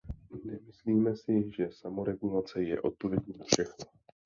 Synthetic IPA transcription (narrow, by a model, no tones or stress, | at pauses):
nɛmɪsliːmɛsɪʒɛsamo̞ɾɛɡulat͡sɛjɛ̰ʔo̞̰t̪̚povjɛɟɲɛnfʃɛxno